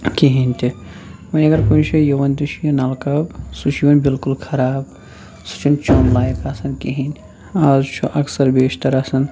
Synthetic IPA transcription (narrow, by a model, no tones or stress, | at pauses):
kiɦinʲt̪i | mɐjɐɡɐɾkoit͡ʃʰɐjɐʋɐnd̪iʃʰijɐnalkɐbsut͡ʃʰiʋɐnbilkulkʰɐɾaːb | su̥t͡ʃʰint͡ʃonlaːjɐkaːsɐnkiɦinʲ | aːzt͡ʃʰuʔɐksɐɾbeːʃt̪ɐɾasɐn